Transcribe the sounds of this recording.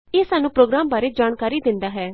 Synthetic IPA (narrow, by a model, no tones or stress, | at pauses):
eːsaːnũːpɾoːɡɾaːmbaːɾeːd͡ʒaːnkaːɾiːd̪ɪ̃nd̪aːɦɛː